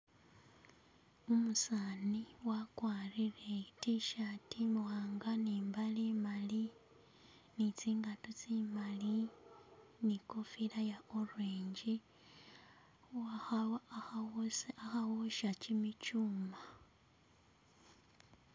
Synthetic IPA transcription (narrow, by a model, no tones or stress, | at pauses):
umusaːniwakwaːɾiɾetiʃatimwaːŋɡaniːmbalimali | nit͡siːŋɡatot͡siːmali | nikofiɾajaoɾwiːɲɟi | a | axawoʃacimicuːma